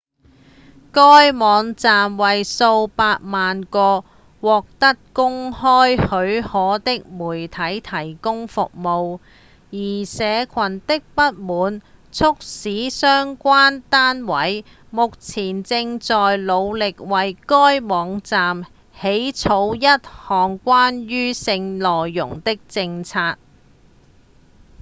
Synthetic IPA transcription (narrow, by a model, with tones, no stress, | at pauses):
kɔː˥jmɔː˨˧˥ŋt͡saː˨mwɐ˨jso˧wpaː˧t̚maː˨nkɔː˧ | wɔː˨k̚t̪ɐ˥t̚kʊ˥ŋhɔː˥jhɵ˨˧˥ɥhɔː˨˥t̪ɪ˥k̚muː˨˩jt̪ʰɐ˨˥jt̪ʰɐ˨˩jkʊ˥ŋfʊ̰˨k̚mo˨w | jiː˨˩sɛː˨˧kʰɐ˨˩nt̪ɪ˥k̚pɐ˥t̚muː˨˧nt͡sʰʊ˥k̚siː˨˥sœː˥ŋkʷaː˥nt̪aː˥nwɐ˨˥j | mʊ˨k̚t͡sʰiː˨˩nt͡sɪ˧ŋt͡sɔː˨jlo˨˧wlɪ˨k̚wɐ˨jkɔː˥jmɔː˨˧ŋt͡saː˨m | he˨˥jt͡sʰo˨˧wjɐ˥t̚hɔː˨˩ŋkʷaː˥nɥyː˥sɪ˧ŋlɔː˨jːʊ̰˨˩ŋt̪ɪ˥k̚t͡sɪ˧ŋt͡sʰaː˧t̚